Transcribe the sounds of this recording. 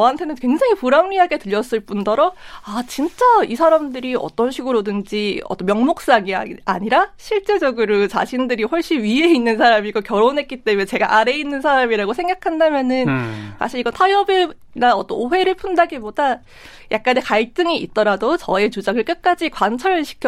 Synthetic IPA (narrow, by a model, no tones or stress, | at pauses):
t͡ɕʌantʰe̞nɯnkwe̞ŋd͡ʑaŋipuɾamɡiɦaɡe̞tɯʎːʌs͈ɯɭp͈undʌɾʌat͡ɕint͡ɕ͈aisʰaɾamdɯɾiʌ̰t͈ʌnɕʰiɡɯɾodɯnd͡ʑiʌt͈ʌmjʌŋmok̚s͈aɡia̰ɲiɾaɕʰiɭt͡ɕ͈e̞d͡ʑʌɡɯɾot͡ɕa̰ɕʰindɯɾiɸoɭɕ͈inɥie̞inːɯnsʰaɾamiɡokjʌɾonɦe̞t̚k͈it͈e̞munet͡ɕe̞ɡa̰ʔaɾe̞inːɯnsʰaɾamiɾaɡosʰe̞ŋɡakʰandamjʌnɯnsʰa̰ɕʰiiɡʌtʰajʌbe | naʌt͈ʌnoɸwe̞ɾɯɭpʰundaɡiboda | jak̚k͈anekaɭt͈ɯŋiːt̚t͈ʌɾadot͡ɕʌe̞t͡ɕud͡ʑaɡɯɭk͈ɯk̚k͈ad͡ʑikwant͡ɕʰʌɾɯɭɕʰi̥kʰj